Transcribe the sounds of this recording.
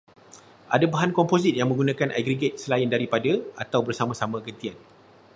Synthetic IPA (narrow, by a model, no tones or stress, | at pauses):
ʔa̰dabaɦankɔmpozit̪̚jaŋmə̃ŋɡunãkanʔa̰ɡɾiɡɛt̪̚səlaɪndaɾipadaat̪awbərsamãsamãɡənt̪ian